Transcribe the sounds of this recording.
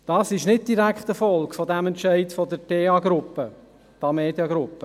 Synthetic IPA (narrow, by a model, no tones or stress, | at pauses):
d̥ɑːsɪʃnɪt̚d̥iɾækχt̪əfɔlkfɔdæmɛntʃɛɪtfɔdəɾteːɑɡɾʊpːə | tɑmeːdjɑɡɾʊpːə